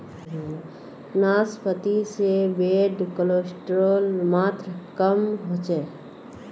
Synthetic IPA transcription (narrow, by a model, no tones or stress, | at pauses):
naːspət̪isebeːɖkəloːsʈɾoːlmaːt̪ɾəkəmɦoːt͡ʃeː